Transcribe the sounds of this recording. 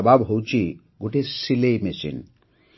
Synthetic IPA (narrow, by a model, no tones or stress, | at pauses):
babɦowt͡ɕʰi | ɡuʈesilejmesḭn